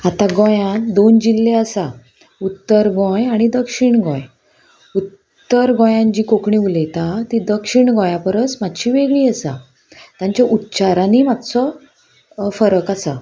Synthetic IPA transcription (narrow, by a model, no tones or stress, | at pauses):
at̪ãɡɔ̃jãd̪ond͡ʑilːeəsa | ut̪ːəɾɡɔ̃jaɽ̃id̪əkʂiɳɡɔ̰̃j | ut̪ː | əɾɡɔ̃jãɲt͡ɕiːkokɳiuləjt̪at̪id̪əkʂiɳɡɔ̃jãpəɾət͡smad̪ɕiʋeɡɭiːəsa̰ | t̪ãɲt͡ɕjaʔut̪ːt͡ɕaɾãnimat̪sɔ | fəɾəkasa̰